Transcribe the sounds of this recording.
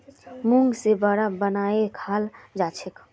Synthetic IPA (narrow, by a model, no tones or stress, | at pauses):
muŋɡsebəɽabənaekʰald͡ʒat͡ʃʰek